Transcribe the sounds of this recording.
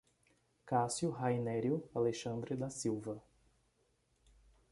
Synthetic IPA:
kasjʊɦajnɛɾjʊaleʃɐ̃nd̪ɾɪd̪asiwvɐ

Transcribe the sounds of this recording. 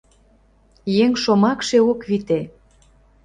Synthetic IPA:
jeŋʃomɑkʃeokβit̪e

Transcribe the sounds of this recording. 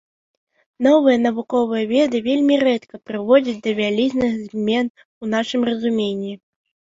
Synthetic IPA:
n̪ɔvɨjɐnɐvukɔvɨjɐvʲɛd̪ɨvʲelʲmʲiɾɛt̪kɐpɾɨvɔd͡zʲit͡sʲd̪ɐvʲalʲiznɨɣzʲmʲɛn | un̪aʂɨmrɐzumʲenʲːi

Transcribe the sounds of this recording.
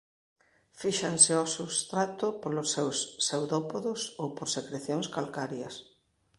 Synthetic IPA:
fiʃaŋsɪɔsust̪ɾat̪ʊpolʊsːewsːewðɔpoðʊsowpoɾsekɾeθjoŋskalkaɾjɐs

